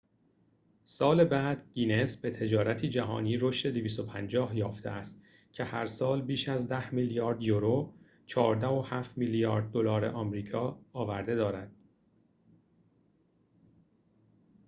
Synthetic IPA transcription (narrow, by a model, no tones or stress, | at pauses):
sɒːlebæːd̪̥ɟiːnesbe̞t̪ʰe̞d͡ʒɒːɾæt̪ʰiːd͡ʒæɦɒ̰ːniːɾo̞ʃt̪e̞d̪eviːst̪o̞pʰænd͡ʒɒːɦjɒːft̪ʰe̞̰ʔæst̪ | cʰe̞hæɾsɒːlbiːʃæzd̪æhmiljɒːɾd̪joɾo | t͡ʃʰɒːɾd̪æo̞hæːft̪milijɒːɾd̪̚ːo̞lɒːɾḛʔɒːmɾiːkʰɒːɒːvæɾd̪e̞d̪ɒːɾæd̪̥̚